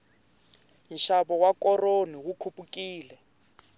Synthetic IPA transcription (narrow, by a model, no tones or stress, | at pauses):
nʃaβɔwakɔroniwukʰupʼukiːlɛ